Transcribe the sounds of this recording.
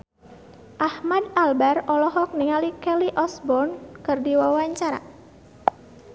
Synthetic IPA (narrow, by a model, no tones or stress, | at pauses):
ʔahmadalbarɔlɔɦɔk̚niŋalikɛliʔɔsbɔrnkɨrdiwawaɲt͡ʃaɾa̰